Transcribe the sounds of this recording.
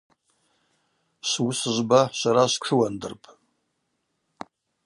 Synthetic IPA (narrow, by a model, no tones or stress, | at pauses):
ʃʷwʊsɨʒʷbaʃʷaɾaʃʷkʰɨwandɨrpʼ